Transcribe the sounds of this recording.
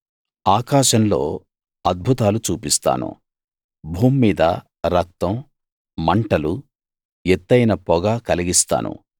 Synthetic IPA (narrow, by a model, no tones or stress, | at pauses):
aːkaːʃɐnlo̞̰ː | ɐd̪̚bʱut̪aːlut͡ʃuːpist̪a̰ːnṵ | bʱuːmːiːd̪ɐ̰ | ɾɐk̚t̪ɐm | mɐɳʈɐlu | ɛt̪ːɐjnɐpɔɡaːkɐliɡist̪a̰ːnṵ